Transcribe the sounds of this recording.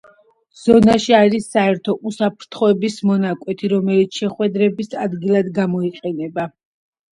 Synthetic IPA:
z̥ɔnaʃiaɾisːaɛɾt̪ʰɔʔusapʰɾt̪ʰχɔɛbismɔnakʼwɛt̪ʰiɾɔmɛlit̪sʰʃɛχwɛd̪ɾɛbisad̪ɡilˠad̪ɡamɔiqʼɛnɛba

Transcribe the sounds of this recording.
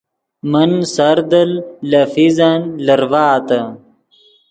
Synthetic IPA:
mɐnsɐɾd̪ɐlːɐfizanlɐɾvaːt̪ɐ

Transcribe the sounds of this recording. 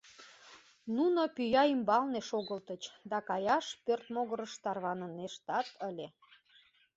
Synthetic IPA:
nunopyjɑimbɑlneʃoɣəlt̪ət͡ɕd̪ɑkɑjɑʃpørt̪moɣəɾəʃt̪ɑrβɑnəneʃt̪ɑt̪ʰəlʲe

